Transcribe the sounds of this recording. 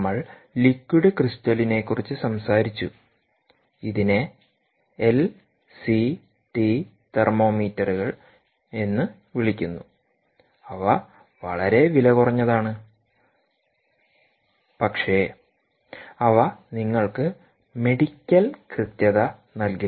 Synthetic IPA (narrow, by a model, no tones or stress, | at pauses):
mːɐɭ | likwiɽɨkrist̪ɐline̞kːurit͡ɕːɨsɐmsaːɾit͡ɕːu | iðine̞ | el | si | ʈi | t̪ermo̞ːmiːtːɐruɣɐɭ | e̞nːɨ | ʋiɭikʲːunːu | ɐʋɐ | ʋɐɭɐɾe̞ʋilɐkurɐɲːɐðaːɳɨ | pɐkʂe̞ | ɐʋɐniŋːɐɭkɨ | me̞ɽikʲːɐlkrɨt̪jɐðɐ | nɐlki